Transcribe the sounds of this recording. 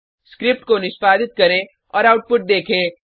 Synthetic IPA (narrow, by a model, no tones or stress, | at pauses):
skɾɪp̚ʈkonɪʃpaːd̪ɪt̪̚kɐɾẽ | ɔːɾaːʊʈ̚pʊʈ̚d̪eːkʰẽ